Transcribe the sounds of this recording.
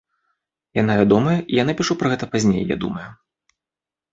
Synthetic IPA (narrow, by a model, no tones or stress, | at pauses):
janavʲad̪ɔmɐjɐʔijanapʲiʂupɾɐɣɛt̪ɐpazʲnʲḛjːa̰d̪ṵmɐju